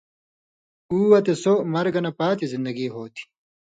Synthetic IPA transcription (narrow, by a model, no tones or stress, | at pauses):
uːwɐt̪esoːmɐɾɡɐnɐpaːt̪izind̪ɐɡiːɦoːt̪ʰi̥